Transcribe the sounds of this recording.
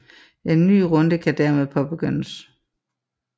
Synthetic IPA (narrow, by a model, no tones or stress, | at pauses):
ʔe̝nːy̰ːʁɔ̽nd̥əkʰæd̥æɐmeð̞ˠpʰɒ̽b̥e̝ɡ̥øn̰əs